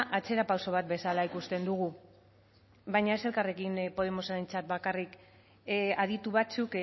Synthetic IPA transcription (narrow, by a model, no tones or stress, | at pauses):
ʔat͡se̞ɾapawso̞β̞at̪̚be̞salaikust̪e̞nd̪uɣu | βajɲae̞se̞lkare̞kimpo̞ðe̞mo̞saɾe̞nt͡sat̪̚bakarik | að̞it̪uβat͡suk